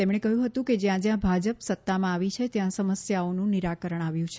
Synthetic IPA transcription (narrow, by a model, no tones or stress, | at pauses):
t̪emɳ̃ekəɦjũɦət̪ũked͡ʒjãd͡ʒjãbʱad͡ʒəpsət̪ːamãːʋit͡ʃʰet̪jãsəməsjaonũniɾakəɾəɳ̃aʋjũt͡ʃʰe